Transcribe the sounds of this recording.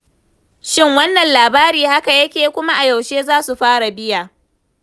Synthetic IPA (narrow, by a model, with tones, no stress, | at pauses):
ʃɪ˦˨ŋwɐ˦nːɐ˨nlaː˨baː˦ɾiː˨ha˦ka˨jɐ˦kʲeː˨kʷʊ˦ma˦ʔa˨jɐ˨wʃeː˦zaː˦su˨ɸaː˦ɽa˨bɪ˦jaː˨ʔ